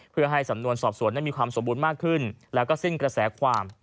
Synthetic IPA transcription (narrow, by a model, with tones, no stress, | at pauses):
pʰɯ˥˩ɐɦa˥˩jsa˩˦mnu˧ənsɔː˨˩p̚su˩˦na˦˥˩miː˧kʰwaː˧mso˩˦buː˧nmaː˥˩kʰːɯ˥˩nlɛː˦˥wkɔː˥˩si˥˩nkɾa˧sɛː˩˦kʰwaː˧m